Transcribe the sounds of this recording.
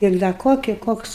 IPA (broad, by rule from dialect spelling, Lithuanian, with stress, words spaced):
ɪr dɐ ˈkoːkʲɪ ˈkoːks